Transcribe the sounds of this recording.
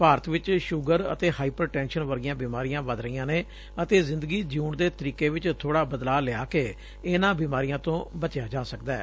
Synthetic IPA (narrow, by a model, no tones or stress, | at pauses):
paːɾət̪ʋɪt͡ʃʃʊɡəɾə̰t̪eːhaːiːpɾəɾʈɛ̃ːnʃənʋəɾɡjãːbiːmaːɾijãːʋəd̪ɾəiːãːneː | ət̪eːzɪ̃nd̪əɡiːd͡ʒuːɳd̪eːt̪əɾiːkeːʋɪt͡ʃt̪ʰoːɽaːbəd̪laːlɪaːkeː | ɪnãːbiːmaːɾijãːt̪õːbət͡ʃjaːd͡ʒaːsəkd̪ɛː